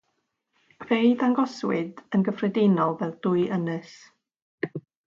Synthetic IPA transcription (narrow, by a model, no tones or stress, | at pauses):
v̥ejðaŋɡɔswɪdənɡəfrɛdenɔlˠvɛðdʊɨʔənɨs